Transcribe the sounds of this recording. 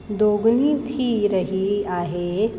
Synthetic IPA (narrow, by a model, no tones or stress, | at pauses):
d̪oːɡnit̪ʰiɾɐɦiaːɦeː